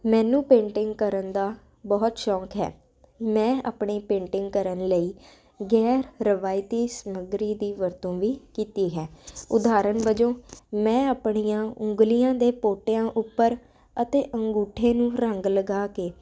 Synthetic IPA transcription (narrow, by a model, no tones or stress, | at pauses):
mɛ̃ːnũːpẽːɳʈɪŋɡkəɾənd̪aː | bɔːt̪ʃɔːkɦɛ̰ː | mɛ̃ːa̰ːpɳiːpẽːɳʈɪŋɡ̚kəɾənləiː | ɡɛːɾɾəʋaːɪt̪iːsəməɡɾiːd̪iːʋəɾt̪õːʋiːkiːt̪iːɦɛ̃ːʊd̪aːɾənʋəd͡ʒoːmɛ̃ːaːpɳijãːʊ̃ŋɡlijãːd̪eːpoːʈjãːʔʊpːəɾ | ət̪eːʔəŋɡuːʈʰːẽːnũːɾəŋɡləɡaːkeː